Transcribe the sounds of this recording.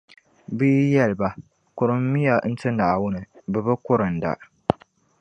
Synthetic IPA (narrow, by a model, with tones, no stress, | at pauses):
bi˦jɛ˦lba˨ | kʊ˨ɾɨ˦m˦mi˦ja˨n̩˦tɨ˦nːa˨ʔwʊ˦nɨ˨bɛ˨bɨ˦kʊ˦ɾɨ˨n˨da̰˨ʔ